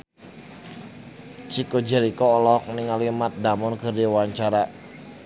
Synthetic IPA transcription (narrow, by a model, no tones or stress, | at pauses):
t͡ʃikod͡ʒɛɾikɔːlɔk̚niŋalimat̪̚damɔnkərdiwaɲt͡ʃaɾa